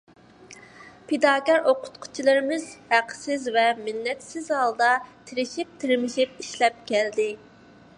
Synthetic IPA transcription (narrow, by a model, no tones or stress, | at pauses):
pʰed̪ɑːkʲæɾoqʰʊ̥t̪qʰʊ̥t͡ʃʰilˠɨɾɪmɪz̥hæqʰsɪzvɛmɪnːɛt̪sɪzɑlˠd̪ɑt̪ʰɪɾɪʃip̚t̪ʰɪɾmɪʃip̚iʃlɛp̚kʲʰɛld̪ɪ